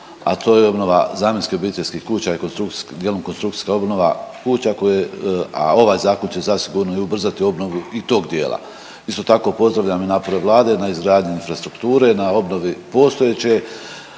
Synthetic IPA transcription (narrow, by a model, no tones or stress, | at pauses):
a̰t̪o̞ːjeo̞bno̞ʋa̰zaːmje̞nskio̞biːt̪eʎʲskiːhkuːt͡ɕaikonst̪ɾud̪jeːlomkonst̪ɾukt̪i̥skao̞bno̞ʋa̰kuːt͡ɕako̞jea̰o̞ʋaːjzaːko̞nt͡ɕe̞zasiɡuɾno̞iubr̩zat̪io̞bno̞ʋuit̪o̞ːɡd̪jeːlˠa̰ | ist̪o̞t̪ako̞po̞zd̪ɾaʋʎaminaːpo̞ɾe̞ʋlˠaːd̪e̞naizɡɾaːd̪ɲuinfɾast̪ɾukt̪uːɾe̞nao̞bno̞ʋipo̞ːst̪o̞jet͡ɕe̞